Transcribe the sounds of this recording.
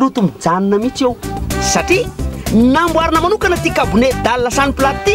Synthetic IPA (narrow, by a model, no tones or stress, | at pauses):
lut̪umid͡zaninəmit͡sewsaʈ͡ʂinambwaɾinəmanukanət̪ikabuned̪alːasaniplat̪i